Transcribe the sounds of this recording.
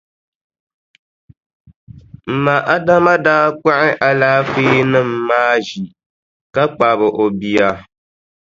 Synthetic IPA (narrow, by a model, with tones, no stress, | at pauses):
m̩˨ma˨ʔa˦da˦ma˦daː˦k͡pa˦ʔɪ˦ʔa˨laː˦feː˦nɨ˦mː˦aː˦ʒi˨ | ka˦k͡pa˨βɨ˨ʔo˨bi˨a˨